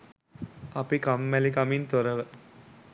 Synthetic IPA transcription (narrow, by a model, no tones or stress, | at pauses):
ɐpikamːælikamint̪oɾəʋə